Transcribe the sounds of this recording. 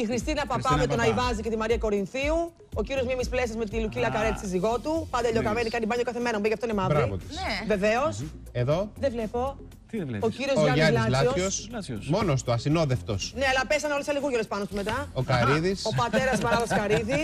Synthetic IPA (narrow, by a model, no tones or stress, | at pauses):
ixɾist̪inɐpɐpɐmet̪onɐivɐzice̞t̪imɐɾiɐko̞ɾinθiu | ociɾiozmimisple̞s̬ezme̞t̪ilucilɐkɐɾet̪isiziɣo̞t̪upɐnd̪ɐʎo̞kɐmenikɐnd̪ibɐɲɐt̪okɐθeme̞ɾɐmubejcɐft̪oinemɐðɾɾivot̪ve̞ve̞os | eðoðevlepo̞ | ociɾiozalɐlososmonost̪oɐsinoðeft̪osneɐlɐpesɐneolesɐliɣuɾʝolespɐnot̪ume̞t̪ɐokɐɾiðisopɐt̪e̞ɾɐzmɐɾɐðoskɐɾiði